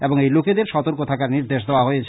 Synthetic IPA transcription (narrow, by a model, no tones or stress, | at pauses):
eboŋejluked̪eɾʃɔt̪oɾkot̪ʰakaɾniɾd̪eʃd̪eoaɦojet͡ɕʰ